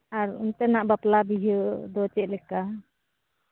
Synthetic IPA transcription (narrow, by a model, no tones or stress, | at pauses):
aɾṵnt̪ɛnaʔbaplabiɦəd̪ɔt͡ʃɛʔ̚lɛka